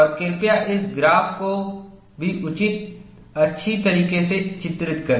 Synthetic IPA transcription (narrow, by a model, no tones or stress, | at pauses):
ɔɾkɪɾpijaʔɪsɡɾaːpko | bʱiʔʊt͡ʃɪt̪̚ | ɐtːʃʰit̪ɐɾiːkeset͡ʃɪt̪ɾɪt̪kɐɾ